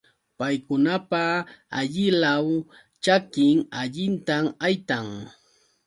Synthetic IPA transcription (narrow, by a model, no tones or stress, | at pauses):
pajkʊnapaa̰ʎɪlaw | t͡ʃakɪŋaʎɪnt̪amajt̪aŋ